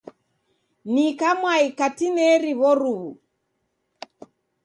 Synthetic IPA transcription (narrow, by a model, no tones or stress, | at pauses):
nikamwaikatinɛɾiβɔɾuβu